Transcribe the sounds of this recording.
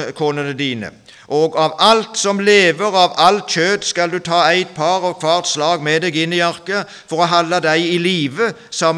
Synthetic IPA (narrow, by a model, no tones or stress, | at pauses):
kʰoːnənəd̪iːnə̰ | ʔɔɡɑʋɑlt̪sɔmleːʋəʁɑʋɑlt̪çøːd̪skɑld̪ʉt̪ʰɑːæɪt̪̚pʰɑʁɔʋkʰʋɑːʁt̪slɑːɡmɛd̪eːɡɪnːɪjɑʁkə | fɔʁɔɦɑlːɑd̪æɪɪliːʋəsɑm